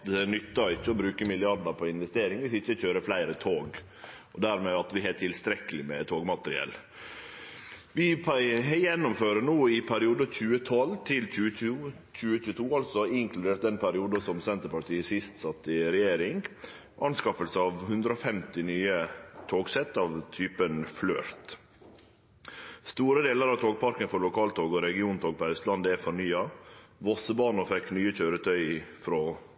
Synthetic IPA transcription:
nʏt̪ːɑɪt͡ʃːəɔbɾʉːkəmɪlɪɑɾɖəɾpʰɔɪnʋɛst̪eːɾɪŋʋɪsɪt͡ʃːəçøːɾəflæɪɾət̪ʰoːɡ | ʔɔd̪æɾmɛɑt̪ʋɪɦɛt̪ʰɪlst̪ɾɛkːəlɪmɛt̪ʰoːɡmɑt̪əɾɪ̰ɛ̰l | ʋɪpʰjɛnːʊmføːɾəɳuːɪpʰæɾɪuːd̪əçʉːət̪ʰɔlːt̪ʰɪlc͡çʉːəʉ | t͡ʃʉːət͡ʃʉːət̪ʰuːɑlsɔɪŋkʰlʉd̪eːʈ̪d̪ɛnpʰæɾɪuːd̪əsɔmsɛnt̪əɾpɑʈʰiːəsɪst̪sɑt̪ːɪɾɛjeːɾɪŋ | ʔɑnskɑfəlsəɑʋhʉnd̪ɾəɔfɛmt̪ɪnyːət̪ʰoːɡsɛt̪ːɑʋt̪ʰyːpənfløːɾt̪ | st̪uːɾəd̪eːləɾɑʋt̪ʰoːɡ̚pʰɑɾkənfɔɾɭʊkʰɑːlt̪ʰoːɡɔɾɛɡɪuːnt̪ʰoːɡ̚pɔæst̪lɑnd̪əɛfɔɳyːɑʋɔsəbɑːnɔfɛkːnyːəc͡çøːɾət̪ʰœʏfɾoː

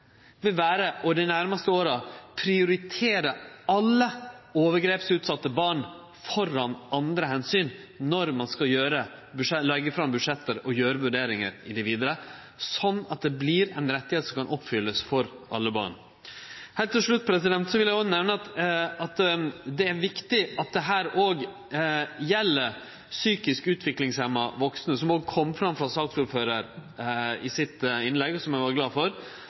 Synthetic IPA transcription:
ʋɪlʋæːɾəʔɔːd̪ɛɪnæɾmɑst̪əoːɾɑpʰɾɪʊɾɪt̪ʰeːɾəɑlːəoːʋəɾɡɾeːpsʉːt̪sɑt̪ːəbɑːɳ | fɔɾɑnʔɑnd̪ɾəɦɛnsyːnnɔɾmɑnskɑljøːɾəbʉʂɛlɛɡːəfɾɑmbʉʂɛt̪ːəɾɔjøːɾəʋʉɖeːɾɪŋə̰ɾɪd̪ɛʋiːd̪əɾə | sɔnːɑt̪̚d̪ɛblɪɾɛnɾɛt̪ːɪheːt̪sɔmkʰɑnʔɔpːfʏlːəsfɔɾʔɑlːəbɑ̰ɳ | hæːlt̪ɪlʂɭʉt̪ːpʰɾɛs̬ɪd̪ɛnt̪sɔʋɪljæɪonɛʋnəɑt̪ɑt̪d̪ɛæɾʋɪkt̪ɪɑt̪̚d̪ɛɦæːɾoːɡ | jɛlːəɾ | syːkɪskʉːt̪ʰʋɪklɪŋshɛmːɑʋɔksnəsɔmoːɡkʰɔmːfɾɑmfɾɑsɑːksuːɾføːɾəɾ | ɪsɪt̪ɪnlɛɡɔsɔmæɪʋɑləɡlɑːfɔɾ

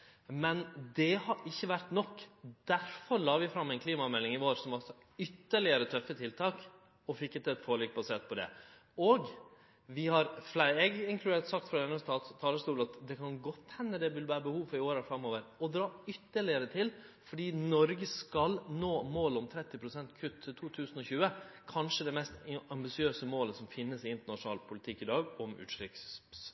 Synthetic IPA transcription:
mɛnd̪ɛhɑɾʔɪçːəʋæɾʈ̪nɔkːd̪̥æɾfɔɾlɑːʋɪfɾɑmːæɪnkʰliːmɑmɛlːɪŋɪʋoːɾsɔmɑlsɔ | ʏt̪ːəɭɪəɾət̪ʰœfːət̪ʰɪlt̪ʰɑːk | ɔfɪkːɪt̪ːəɛt̪foːɾɭɪk̚bɑsɛt̪̚pʰɔd̪ɛ̰ | oːɡ | ʋɪhɑɾflæɛɡɪŋkʰlʉd̪eːt̪sɑkt̪fɾɑeːnːst̪ʰɑːt̪st̪ʰɑːləst̪uːlɑt̪d̪ɛkʰɑnɡɔt̪ːhɛnːəd̪ɛʋɪlʋæːɾəbəhuːʋfɔɾɪoːɾəfɾɑmːɔːʋəɾɔd̪ɾɑːʏt̪ːəɭɪəɾət̪ʰɪl | fɔɖiːnɔɾɡəskɑlnoːmoːlɔmt̪ʰɾɛt̪ːɪpʰɾʊsɛnt̪kʰʉt̪ʰːɪlt̪ʰuːt̪ʰʉːsn̩ɔçʉːəkʰɑnʂəd̪ɛmɛst̪ɑmbɪsɪøːsəmoːləsɔmfɪnːəsɪɪnt̪əɳɑʂʊnɑːlpʰʊlɪt̪ʰɪkːɪd̪ɑːɡɔmʉ̰ːt̪ʂlɪks

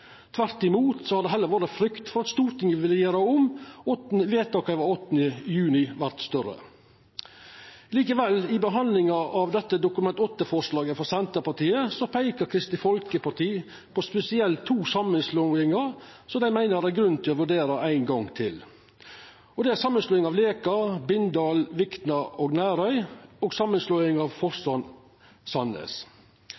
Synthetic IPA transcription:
t̪ʰʋæɾt̪ɪmuːt̪sɔhɑɾd̪ɛɦɛlːəɾʋoːɾəfɾʏkt̪fɔɾɑt̪st̪uːɾt̪ʰɪŋəʋɪlːəjeːɾəɔmɔt̪nəʋeːt̪ɑːkɑʋɑɔt̪ːnəjʉːnɪʋæɾt̪st̪œɾə̰ | liːkəʋɛlːɪbəɦɑnlɪŋɑʔɑʋd̪ɛt̪ːəd̪ʊkʉmɛnt̪ɔt̪ːəfɔʂlɑːɡəfɔɾsɛnt̪əpɑʈ̪iːəsɔpʰæɪkɑɾkʰɾɪst̪ɪfɔlkəpɑʈ̪ʰiː | pʰɔspɛsɪɛlt̪ʰːuːsɑmənsloɪŋəsɔmd̪æɪmæɪnəɾæɾɡɾʉn̩t̪ɪlɔʋʉɖeːɾɑʔæɪnɡɔŋt̪ʰɪl | ɔd̪ɛæsɑmːənsloːɪŋɑʋleːkɑɾbɪnd̪ɑːlʋɪkt̪nɑoːɡnæːɾœʏoːɡsɑmːənsloːɪŋɑːʋfɔsɑn | sɑnə̰s

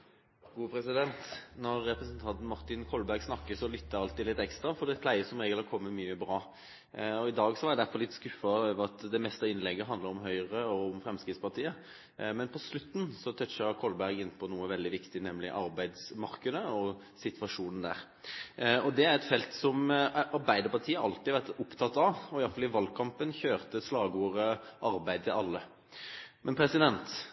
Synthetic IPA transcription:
ɡ̥uːpʰɾɛsɪd̪ɛnt̪nɔɾːɛpɾɛsənt̪ʰɑnt̪nmɑɾt̪ɪnkʰɔlbæɾɡsnɑkːəsɔlʏt̪ːəɑlt̪iːlɪt̪ːɛkst̪ɾɑfɔd̪ɛpʰlæɪəsɔmɾeːɡəlɔkʰɔmːəmyːəbɾɑː | ɔɪd̪ɑːɡsɔɛɾæd̪æɾfɔɾlɪt̪ːskʉfəøːʋəɾɑt̪d̪ɛmɛst̪əɪnlɛɡəɦɑnd̪ləɾɔmɦœʏʁəɔʊmfɾɛmskʁɪt̪spɑʁt̪ʰiːə | mɛnpʰɔslʉt̪ːn̩sɔt̪ʰœʃɑkʰɔlbæɾɡɪnːpʰɔnuːəʋɛld̪ɪʋɪkt̪ɪnɛmlɪ̰ʔɑɾbæɪd̪smɑʁkəd̪əɔ | sɪt̪ʋɑʂuːnn̩d̪æ̰ːɾ | ɔd̪ɛæɾɛt̪fɛlt̪sɔmʔɑɾbæɪd̪əpɑʁt̪ʰiːəɑʔɑ̰lt̪ɪʋæt̪ʊpt̪ʰɑt̪ːɑʋɔɪjɑfɑlɪʋɑlkʰɑmpənçøːʁt̪əslɑːɡoːʁəʔɑɾbæɪd̪̚t̪ʰɪlʔɑlːə | mʔɛnpʰɾɛsɪd̪ɛnt̪

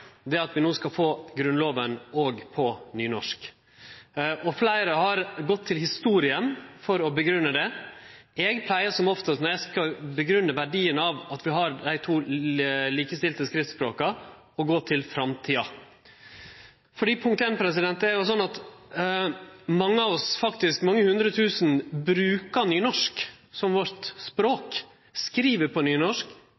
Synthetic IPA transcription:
d̪ɛɑt̪ʋɪnuːskɑfoːɡɾʉnloːʋənɔɡpʰɔnyːnɔʂk | ʔɔflæɪɾəhɑɾɡɔt̪ʰːɪlhɪst̪uːɾɪənfɔɾɔbəɡɾʉnːəd̪ɛ | ɛɡpʰlæɪəʂɔmɔft̪ənɔɾjæskɑbəɡɾʉnːəʋæɖiːənəɑʋɑt̪ʋɪɦɑɾd̪æɪt̪ʰuːliːkəst̪ɪlt̪əskɾɪft̪spɾoːkɑ | ɔɡoːt̪ʰɪlfɾɑmt̪ʰiːɑ | fɔɖiːpʰʊŋkt̪eːnpʰɾɛs̬ɪd̪ɛnt̪̚d̪ɛæɾjʊsɔnːɑt̪ | mɑŋːəɑːʋɔsfɑkt̪ɪskmɑŋːəhʉnd̪ɾət̪ʰʉːsnbɾʉːkɑnyːnɔʂk | sɔmʋɔɾt̪spɾoːk | skɾiːʋəɾpʰɔnyːnɔʂk

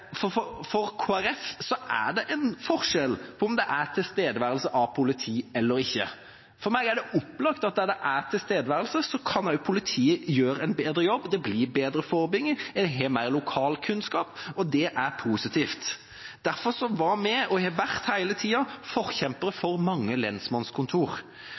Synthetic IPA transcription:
fɔɔfɔɾkʰoːæɾɛfsɔʔæ̰ɖɛʔɛnfɔɾʂɛlpʰɔʊmd̪ɛʔæɾt̪ʰɪlst̪eːd̪əʋæːɾəlsəʔɑʋpʰʊlɪt̪ʰiːɛlːəɾɪçːə̰ | fɔɾmæɪæɖɛʔʊpːlɑkt̪ɑt̪̚d̪ɑd̪ɛʔæɾt̪ʰɪlst̪eːd̪əʋæːɾəlsəsɔkʰɑnɑʊpʰʊlɪt̪ʰiːəjøːɾəɛɪnbeːd̪ɾəjɔbːd̪ɛbliːbeːd̪ɾəfɔɾbʏŋːəɛɦɛmæɪɾlʊkʰɑːlkʰʉnskɑːpɔd̪ɛʔæɾpʰuːsɪt̪ʰiːft̪ | d̪æɾfɔɾsɔʋɑmɛɔhɛʋæɾt̪hæɪlət̪ʰiːɑfɔɾçɛmpəɾəfɔɾmɑŋːəlɛnsmɑnskʰʊnt̪ʰuːɾ

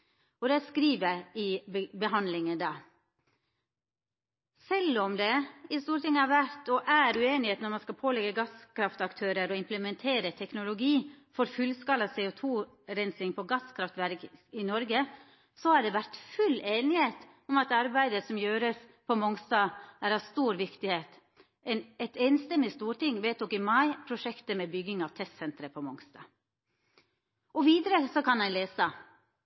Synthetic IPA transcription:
ɔd̪ɛskɾiːʋəɪbəɦɑnlɪŋənd̪ɑː | sɛlːɔmd̪ɛɪst̪uːɾʈ̪ɪŋːəæɾʋæɾt̪ɔʔæɾʉeːnɪheːt̪nɔɾmɑnskɑpʰoːlɛɡːəɡɑskʰɾɑft̪ɑkt̪ʰøːɾəɾɔɪmpləmɛnt̪ʰeːɾət̪ʰɛknʊlʊɡiːfɔɾfʉlskɑlɑseːʊt̪ʰuː | ɾɛnsɪŋpʰɔɡɑskʰɾɑft̪ʋæɾɡɪnɔɾɡə | sɔhɑɖɛʋæɾt̪fʉlːeːnɪheːt̪ | ɔmɑt̪ɑɾbæɪd̪əsɔmjøːɾəspʰɔmɔŋst̪ɑːæːɾɑʋst̪uːɾʋɪkt̪ɪheːt̪ | ɛnɛt̪eːnst̪ɛmɪst̪uːɾʈɪŋːʋeːt̪uːkɪmɑɪpʰɾʊʂɛkt̪əmɛbʏɡɪŋɑʋt̪ʰɛst̪sɛnt̪ɾəpʰɔmɔŋst̪ɑ̰ | ɔʋiːd̪əɾəsɔkʰɑnæɪleːsə

